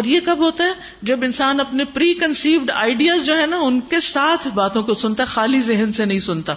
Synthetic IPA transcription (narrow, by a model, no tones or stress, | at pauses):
ɔːɾjekɐbɦoːt̪aɦɛː | d͡ʒɐbɪnsaːnɐpnepɾiːkɐnsiːʋɖa̰ːɪɖijaːzd͡ʒoːɦɛ̃naʊnkesaːt̪ʰbaːt̪õkosʊnt̪aɦɛxaːlizɪɦənsenɐɦĩsʊnt̪aː